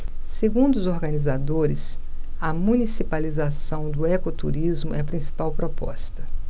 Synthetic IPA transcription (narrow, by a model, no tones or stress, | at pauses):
seɡũnd̪ʊzoɾɡɐnizad̪oɾɪs | ɐmũnisipalizasɐ̃w̃d̪ʊɛkot̪uɾizmʊɛpɾĩsi̥pawpɾɔpɔ̰st̪ɐ̥